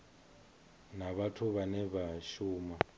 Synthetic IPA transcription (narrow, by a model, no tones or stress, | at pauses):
naβatʰuβanɛβaʃuːma